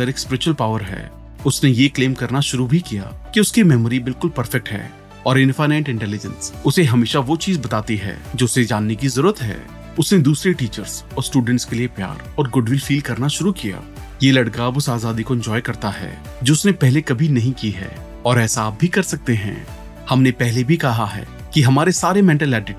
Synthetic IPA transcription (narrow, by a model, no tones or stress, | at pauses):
ɐɾekspɾɛʃəlpaːʋəɾɦɛ̰ː | ʊsnejekleːmkɐɾnaʃʊɾubʱikija̰ːkiʊskimɛːmɾibɪlkʊlpɐɾfɛk̚ʈɦɛ̰ː | ɔːɾɪ̃nfaɪnɛ̃ːʈɪ̃ɳʈɛːlɪd͡ʒə̰̃nsʊseɦɐmeːʃaʋot͡ʃiːzbɐt̪aːt̪iɦɛ̰ːd͡ʒoːʊsed͡ʒaːnːekizɐɾuːɾət̪ɦɛ̰ː | ʊsned̪uːsɾeʈiːt͡ʃəɾzɔːɾsʈuːɖə̃ɳʈskeliepja̰ːɾɔːɾɡʊɖʋɪlfiːlkɐɾnaʃʊɾukija̰ː | jeːlɐɽkaːbʊsaːzaːd̪ikoɪ̃nd͡ʒɔːjkɐɾt̪aɦɛ̰ː | d͡ʒoːʊsnepɛɦlekɐbʱinɐɦĩkiɦɛ̰ː | ɔːɾɛːsaːp̚bʱikɐɾsɐk̚t̪eɦɛ̰̃ | hɐmnepɛɦlebʱikɐɦaɦɛ̰ː | kiɦɐmaːɾesaːɾemɛ̃ɳʈəlɛːɖɪʈ